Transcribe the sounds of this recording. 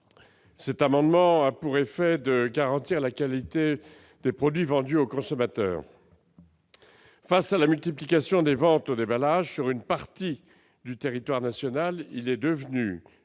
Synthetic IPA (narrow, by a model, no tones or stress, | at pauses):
sɛt̪amɑ̃d̪mɑ̃apuʁefɛd̪əɡaʁɑ̃t̪iʁlakalit̪e | d̪̥epχɔd̪ɥivɑ̃d̪yokɔ̃sɔmat̪œ̰ːʁ | fasalamylt̪iplikasjɔ̃d̪evɑ̃t̪od̪ebalaʒsyʁynpaʁt̪i | d̪yt̪eʁit̪waʁnasjɔnalilɛd̪əvny